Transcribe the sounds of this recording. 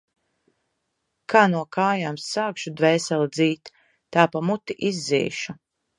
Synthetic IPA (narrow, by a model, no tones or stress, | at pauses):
kʰaːnuɔkʰaːjaːmsːaːkʃud̪vɛːsɛld̪ziːt̪ː | aːpamut̪iʔizːḭːʃu